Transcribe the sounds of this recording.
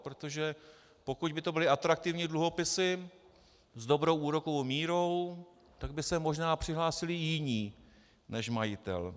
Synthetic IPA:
pɾot̪o̞ʒɛ | po̞kuɟbɪt̪o̞bɪlɪʔat̪ɾak̚t̪ɪvɲiːdluɦo̞pɪsɪ | zdo̞bɾo̞wʔuːɾo̞kowmiːɾo̞w | t̪aɡ̚bɪsɛmo̞ʒnaːpr̝̥ɪɦlaːsɪlɪjɪɲiː | nɛʃmajɪt̪ɛ̰l

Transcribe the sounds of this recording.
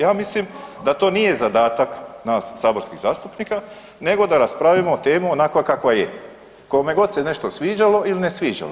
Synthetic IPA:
jaːmislimd̪at̪o̞ːnije̞zad̪aːt̪aknaːsːaːbo̞ɾskiɣzaːst̪upnika | ne̞ɡo̞d̪aɾaspɾaʋimoot̪eːmionakʋakakʋaje | koome̞ɡo̞d̪se̞ne̞ʃt̪osʋiːd͡ʒalo̞ʔiline̞sʋiːd͡ʒa̰lo̰

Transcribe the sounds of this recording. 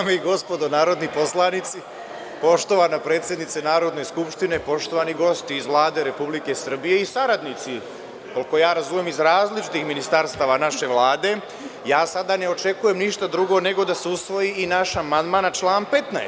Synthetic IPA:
ameiɡo̞spo̞d̪onaːɾo̞d̪nipo̞slˠanit̪si | po̞ʃt̪o̞ʋanapɾe̞ːt̪sjed̪nit̪senaːɾo̞d̪ne̞skupʃt̪ine̞po̞ʃt̪o̞ʋaniɡo̞st̪iːzʋlˠaːd̪e̞ɾe̞publike̞sr̩bije̞isaɾad̪nit̪si | ko̞lko̞jaːɾazuːmjemizɾaːzlit͡ʃi̥t̪ixminist̪aɾst̪aːʋanaʃe̞ʋlaːd̪e̞ | jaːsad̪ane̞o̞t͡ʃe̞kuje̞mniʃt̪ad̪ɾuɡo̞ne̞ɡo̞d̪aseusʋo̞jiːnaʃamand̪maːnt͡ʃlˠaːnpe̞t̪naḛ

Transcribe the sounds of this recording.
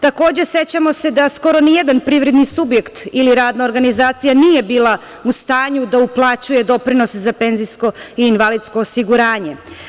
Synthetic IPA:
t̪ako̞ːd͡ʑe̞se̞t͡ɕamo̞se̞d̪asko̞ɾo̞nijed̪anpɾiʋɾe̞d̪nisubje̞kt̪iliɾaːd̪nao̞ɾɡanizaːt̪sijanije̞biːlˠa | ust̪aːɲud̪auplˠat͡ɕuje̞d̪o̞pɾino̞sezape̞ːnzisko̞iːnʋalit̪sko̞ːsiɡuɾaːɲe̞

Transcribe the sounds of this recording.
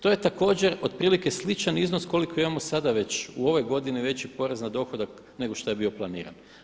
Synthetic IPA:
t̪o̞je̞t̪ako̞ːd͡ʑe̞ɾo̞d̪̚pɾiːlike̞slˠit͡ʃaniznosko̞likʰo̞imamo̞sad̪aʋe̞t͡ɕuo̞ʋo̞jɡo̞d̪iniʋe̞t͡ɕipo̞ɾeznad̪o̞xod̪ak | ne̞ɡo̞ʃt̪oje̞bio̞plˠanḭːɾa̰n

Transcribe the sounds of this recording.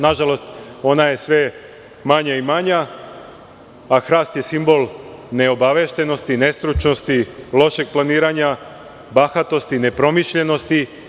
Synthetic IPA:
naʒalo̞st̪o̞naje̞sʋe̞ | maɲaimaɲa | axɾaːst̪je̞simbo̞lˠne̞o̞baʋe̞ʃt̪e̞no̞st̪ine̞st̪ɾut͡ʃno̞st̪ilo̞ʃe̞ɡ̚planiːɾaɲa | baxat̪o̞st̪ine̞pɾo̞miʃʎe̞no̞st̪i

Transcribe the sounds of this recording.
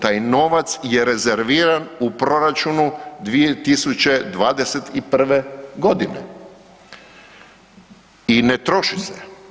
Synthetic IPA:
t̪aːjno̞ʋat̪sjeɾe̞zeɾʋiːɾanupɾo̞ɾat͡ʃunud̪ʋijet̪isut͡ɕe̞d̪ʋaːd̪e̞set̪ipr̩ʋeɡo̞d̪inḛ | inet̪ɾo̞ʃise

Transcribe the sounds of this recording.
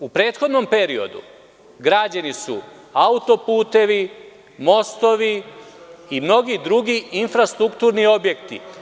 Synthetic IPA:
upɾe̞ːt̪xo̞d̪no̞mpe̞ɾio̞̰d̪ṵ | ɡɾaːd͡ʑanisṵ | aut̪o̞puːt̪e̞ʋi | mo̞st̪o̞ʋi | imno̞ɡid̪ɾuɡiinfɾast̪ɾukt̪uːɾnio̞bjekt̪ḭ

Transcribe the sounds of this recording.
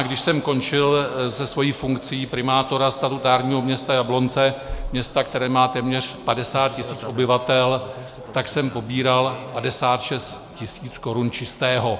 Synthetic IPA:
ɡdɪʃsɛmko̞nt͡ʃɪlsɛsvo̞jiːfuŋkt͡sɪjːpɾɪmaːt̪o̞ɾast̪at̪ut̪aːɾɲiːɦo̞mɲɛst̪ajablo̞nt͡sɛmɲɛst̪akt̪ɛɾɛːmaːt̪ɛːmɲɛr̝̥padɛsaːt̪̚cɪsiːt͡sʔo̞bɪvat̪ɛl | t̪aksɛmpo̞biːɾalpadɛsaːt̪ʃɛst̪ | cɪsiːt͡sko̞ɾunt͡ʃɪst̪ɛːɦo̞

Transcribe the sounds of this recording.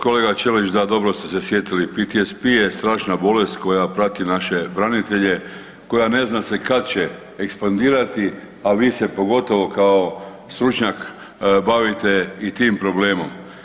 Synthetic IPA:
koleːɡat͡ʃelit͡ʃd̪ad̪o̞bɾo̞st̪ese̞sjet̪ilipit̪iespijest̪ɾaːʃnabo̞le̞st̪ko̞japɾat̪inaʃe̞bɾanit̪e̞ʎe | ko̞jane̞znasekad̪̚t͡ɕe | ekspand̪iːɾat̪i | aʋiːse̞po̞ɡo̞t̪o̞ʋo̞kao | st̪ɾut͡ʃɲak | baʋit̪eit̪iːmpɾo̞bleːmo̞̰m

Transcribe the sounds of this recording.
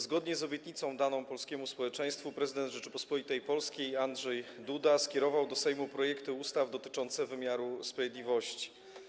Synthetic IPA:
zɡɔd̪ɲɛzɔbʲjɛt̪ɲit̪sɔ̃w̃d̪anɔ̃w̃pɔlskʲɛmuspɔwɛt͡ʂɛ̃j̃st̪fupɾɛzɘd̪ɛnd̪ʐɛt͡ʂɘpɔspɔlʲit̪ɛjpɔlskʲejandʐɛjd̪ud̪askʲɛɾɔvawd̪ɔsɛjmupɾɔjɛkt̪ɘust̪avd̪ɔt̪ɘ̥t͡ʂɔnt̪sɛvɘmʲjaɾuspɾavʲjed̪lʲivɔɕt͡ɕi̥

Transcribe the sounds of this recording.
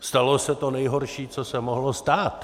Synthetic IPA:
st̪alosɛt̪o̞nɛjɦoɾʃiːt͡sosɛmoɦlost̪aːt̪

